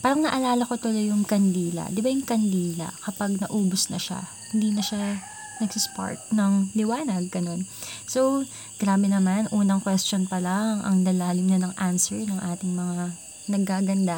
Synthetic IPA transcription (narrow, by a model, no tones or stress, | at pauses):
paːɾɐŋnɐʔɐlaːlɐko̞t̪olo̞jʊŋkɐnd̪iːlɐ̰d̪ɪbajʊŋkɐnd̪iːlɐ̰kɐpaɡ̚nɐʔuːbosnɐʃa̰ | hɪnd̪iːnɐʃa | nɐɡsɪspa̰ɹt̪̚nɐŋlɪwaːnɐɡ̚ːɐno̞nso̞w | ɡ̥ɾaːbɛnɐmanʔuːnɐŋkwɛst͡ʃonpɐlaŋʔɐ̰ŋnɐlaːlɪmnɐnɐŋʔansɛɹnɐŋʔaːt̪ɪŋmɐŋa | nɐɡ̚kaːɡɐnd̪a